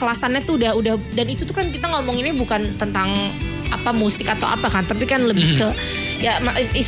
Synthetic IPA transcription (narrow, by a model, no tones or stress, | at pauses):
kəlasanɲat̪uːdahudahdanit̪ut̪ukankit̪aŋɔmɔŋinibukant̪ənt̪aŋ | a̰pamusɪkat̪awʔa̰pakant̪apikanləbɪhkə | jamai